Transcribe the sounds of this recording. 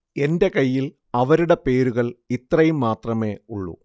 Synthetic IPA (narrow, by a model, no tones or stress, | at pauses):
e̞nde̞kɐjːil | ɐʋɐɾuɽe̞pe̞ːɾuɣɐɭit̪rɐjumːaːt̪rɐme̞ːuɭːṵ